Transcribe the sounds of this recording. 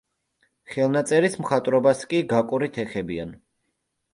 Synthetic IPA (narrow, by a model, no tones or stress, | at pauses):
χɛlˠnat̪sʼɛɾismχat̪ʼɾɔbaskʼiɡakʼuɾit̪ʰɛχɛbian